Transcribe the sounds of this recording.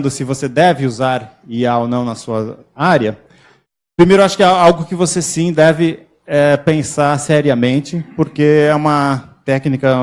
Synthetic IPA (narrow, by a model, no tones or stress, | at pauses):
d̪ʊsɪvosed̪ɛvɪuzaɾ | iaonɐ̃w̃nɐsuɐ | aɾjɐ | pɾimejɾʊaʃʊ̥kɪɛawɡʊkɪvosesĩd̪ɛvɪ | ɛpẽsaɾsɛɾiɐmẽnt͡ʃɪpoɾkeɛũmɐt̪ɛknikɐ